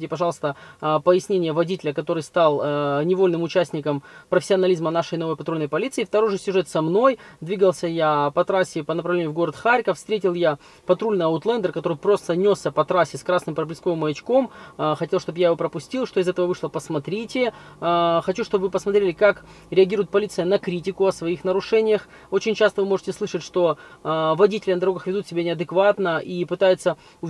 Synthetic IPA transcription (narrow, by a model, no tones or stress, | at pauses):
itʲɪpɐʐɑlˠəst̪əpəjɪsʲnʲenʲɪjəvɐdʲitʲɪlʲəkɐt̪o̞ɾɨjst̪ɑlˠnʲɪvo̞lʲnɨmʊt͡ɕæsʲtʲnʲɪkəmpɾəfʲɪsʲɪɐnɐlʲizmənaʂəjno̞vəjpɐt̪ɾulʲnəjpɐlʲit̪sɨɪːft̪ɐɾo̞jʐɨsʲʊʐɛt̪sɐmno̞jd̪vʲiɡəlˠsʲəjapɐt̪ɾasʲːɪpənəpɾɐvlʲenʲjʊvɡo̞ɾət̪xaɾʲkəfst̪ɾʲetʲɪlˠja | pɐt̪ɾulʲnɨjɐʊt̪lˠɛnd̪ərkɐt̪o̞ɾɨjpɾo̞st̪ənʲo̞sːʲəpɐt̪ɾasʲːɪskɾasnɨmpɾəblʲɪsko̞vɨmːəjɪt͡ɕko̞mxɐtʲe̞lˠʂt̪o̞bjajɪvo̞pɾəpʊsʲtʲilˠʂt̪o̞ɪzɛt̪əvəvɨʂlˠəpəsmɐt̪ɾʲitʲɪ | xɐt͡ɕuʂt̪o̞bvɨpəsmɐt̪ɾʲelʲɪkak | ɾʲɪɐɡʲiɾʊjɪt̪̚pɐlʲit̪sɨjənɐkɾʲitʲɪkʊɐsvɐixnəɾʊʂɛnʲɪjəx | o̞t͡ɕɪnʲt͡ɕast̪əvɨmo̞ʐɨtʲɪsˠɨʂətʲʂt̪o̞vɐdʲitʲɪlʲɪnd̪ɐɾo̞ɡəxvʲɪd̪ut̪sʲɪbʲenʲɪɐd̪ɨkvat̪nəʔipɨt̪ajɪt̪sə | ʊ